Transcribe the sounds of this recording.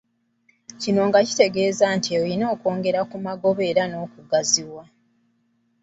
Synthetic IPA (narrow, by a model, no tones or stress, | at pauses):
cino̞ŋɡaci̥te̞ɡe̞ːzaːntieoino̞ːko̞ːŋɡe̞ɾakumaɡo̞βe̞ːɾano̞ːkuɡaziβwa